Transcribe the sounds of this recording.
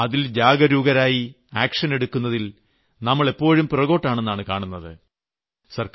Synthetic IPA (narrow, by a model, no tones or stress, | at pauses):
ɐðild͡ʑaːɡɐɾuːɡɐɾaːji | aːkʂɐne̞ɽukːunːɐðil | nɐmːɐɭe̞pːo̞ːɻumprɐɣo̞ːʈːaːɳenːaːɳɨkaːɳunːɐðɨ | sɐrk